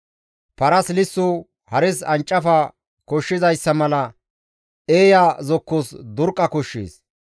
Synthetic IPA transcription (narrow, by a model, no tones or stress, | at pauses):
pɐɾɐslɪsːʊ | hɐɾɪsɐnt͡ʃʼːɐfɐ | kɔʃːɪzɐjsːɐmɐlɐ | eːjazɔkːɔsd̪ʊɾkʼːɐkɔʃːḭːs